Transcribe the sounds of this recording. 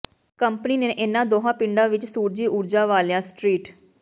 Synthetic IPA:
kəmpəniːneːʔɪnãːd̪oːɦãːpɪɳɖãːʋɪt͡ʃsuːɾd͡ʒiːʔʊɾd͡ʒaːʋaːljaːsʈɾiːʈ

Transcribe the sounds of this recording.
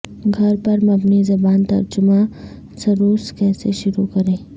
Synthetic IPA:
ɡʱɐɾpɐɾmɐbnizɐbaːnt̪ɐ̰ɾd͡ʒʊmã | sɐɾoːskɛːseʃʊɾukɐɾẽː

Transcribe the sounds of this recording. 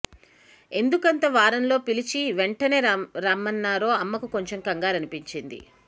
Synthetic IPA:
e̞nd̪ukɐnt̪ɐʋaːɾɐnlo̞ːpilit͡ʃiʋeɳʈɐneɾaːmːɐnːaːɾo̞ːɐmːɐkuko̞ɲt͡ʃe̞mkɐŋɡaːɾɐnipiɲt͡ʃind̪ḭ

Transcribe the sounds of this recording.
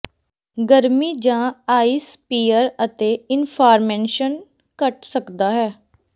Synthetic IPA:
ɡəɾmiːd͡ʒãːaːispiːəɾət̪eːɪnpʰaːɾmeːʃən | kəʈsəkd̪aːɦɛː

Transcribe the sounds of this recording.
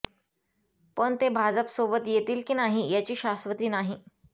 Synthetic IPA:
pəɳt̪ebʱad͡zəpsobət̪jet̪iːlkiːnaɦijat͡ɕiːɕasʋət̪iːnaɦi

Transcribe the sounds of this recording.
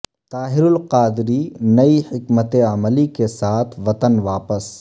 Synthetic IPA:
t̪aːɦɪɾʊlqaːd̪ɪɾinɐihɪkmət̪eɐməlikesaːt̪ʰʋɐt̪ənʋaːpəs

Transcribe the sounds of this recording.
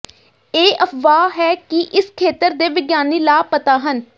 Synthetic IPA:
eːʔəpʋaːɦɛːkɪʔɪskʰeːt̪əɾd̪eːʋɪɡjaːniːlaːpət̪aːɦən

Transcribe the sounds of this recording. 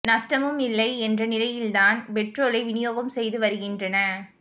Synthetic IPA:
nɐsʈɐmɯmɪlːɐɪɛndrɐnɪlɐjɪld̪aːnpɛʈroːlɐɪʋɪnɪjoːɣɐmsɛjðɯʋɐɾɯɣɪndrɐnɐ

